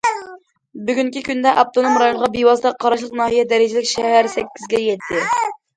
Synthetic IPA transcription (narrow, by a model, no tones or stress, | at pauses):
byɡʲyŋkʲikʲynd̪ɛʔɑp̚t̪ʰonomɾɑjonʁɑbiwɑst̪ɑqʰɑɾɑʃlˠəqnɑːɦijɛd̪ɛɾɪd͡ʒɪlɪkʲʃɛɦæɾsɛkʲːizɡʲɛjɛt̪ʰːɪ